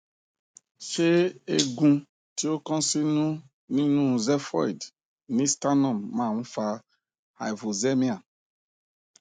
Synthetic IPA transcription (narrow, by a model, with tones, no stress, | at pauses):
ʃe˦e˦ɡũ˦ | ti˦o˦kɔ̃˦si˦nũ˦ | nĩ˦nũ˦˨zɛ˦fɔ̰˦˨jd | nĩ˦sta˦nɔ˨mːã˦˨ŋũ˦fa˦ | ha̰˨jvo˨ze˦mi˦a˨